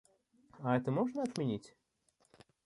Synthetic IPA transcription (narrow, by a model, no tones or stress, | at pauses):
aɛt̪əmɔʐnəɐt̪mʲɪnʲitʲ